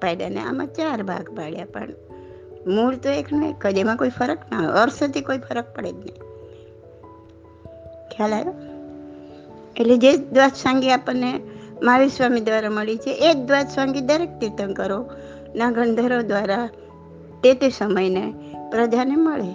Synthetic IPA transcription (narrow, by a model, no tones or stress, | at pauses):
pajd̪a̰nḛa̰mã̰t͡ʃaɾbʱa̰ɡpaɭja̰pə̰ɳ | muɭt̪oeknoḭkːəd͡ʒ̪emãkoipʰəɾəkna̰əɾst̪ʰikoipʰəɾək̚pəɽḛd͡ʒnəĩ | kʰjalajo | eʈled͡ʒed̪ʋat̪sãŋɡiapəɾnemaʋisʋamid̪ʋaɾaməɭit͡ʃʰeʔed̪ʋat̪sãŋɡid̪əɾek̚t̪it̪ənkəɾo | naɡə̃nd̪ʱəɾod̪ʋaɾa | t̪et̪esəməjnepɾəd͡ʒaneməɭe